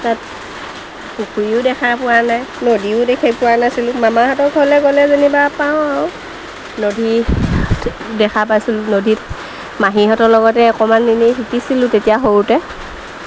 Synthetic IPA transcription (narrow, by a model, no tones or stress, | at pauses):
tat̚ | hukʰujʊdɛkʰaɹpʊwanajnodiʊdekʰipʊwanasilʊ̃mamaɦatɔɹkhɔlɛkɔlɛzenibapaʊ̃aʊ | nodʱi | dɛkʰapajsilʊnodʱit | maɦiɦɔtɔlɔɡɔtɛɔkɔmandiniɦʰikisilʊ̃tetijaɦowtɛ